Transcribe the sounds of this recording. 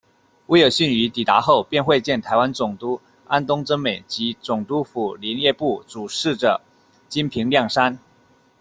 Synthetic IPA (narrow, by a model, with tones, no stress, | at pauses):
we˧˥jo˨˩ʊɕy˥˩ny˧˥t̪i˨˩t̪a˧˥˦xo˥˧ʊpjɛ˥˧nxwe˥˧t͡ɕjɛ˥˩nt̪ʰa˧˥ɪwa˦nt͡sʊ˨˩ŋt̪u˥ | a˦nt̪ʊ˥ŋʈ͡ʂə˥nme˨˩ɪt͡ɕi˧˥t͡sʊ˨˩ŋt̪u˦˥fu˨˩li˧˥njɛ˥˧pu˥˩t͡su˨˩ʂɻ̩˥˩ʈ͡ʂɤ˨˩ | t͡ɕi˥npʰi˧˥ŋljɑ˥˩ŋʂa˥n